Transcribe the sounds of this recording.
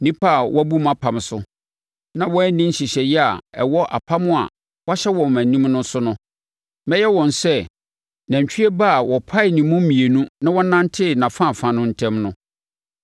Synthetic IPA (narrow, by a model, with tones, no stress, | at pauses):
nĩ˦pʰa˦˨wʔɔ˦bu˦mã˦pʰa˨m˨sʊ˦ | nã˨wɔ˦nĩ˦ɕi˨ɕɛ˨jɛ˦a˨ɛ̰˨wɔ˦ʔa̰˨pʰa˦mʊ̃˦a̰˨ | wa˦ɕɛ˦wɔ̃˨m˨æ̃˨nĩ˦mnʊ̃˦sʊ˦nʊ̃˦ | mɛ˦jɛ˦wɔ̃˨nsɛ˦˨ | nã˨ɲ˨t͡ɕᶣɥe˦ba˦˨wɔ˨pʰa˦ɪ˨nĩ˨mʊ̃˦mĩ˨e˨nũ˦nã˦wɔ˦nã˦n˦tʰɪ˦˨nã˨fã˦˨fã˨nʊ̃˦n̩˦tʰɛ̃˦mnʊ̃˦